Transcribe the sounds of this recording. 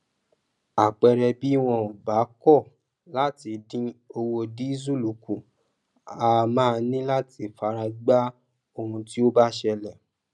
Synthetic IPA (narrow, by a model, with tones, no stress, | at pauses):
a˨k͡pɛ˧ɾɛ˧bi˨˦w̃ɔ̃˧o˨ba˨˦kɔ˦˨ | la˦ti˧dĩ˧o˧wo˧di˨˦zu˦˨lu˨ku˨ | a˧mãː˦˧nĩ˦la˦ti˧fa˧ɾa˧ɡ͡ba˦ | o˧hũ˧ti˦o˦ba˦ʃɛ˧lɛ˨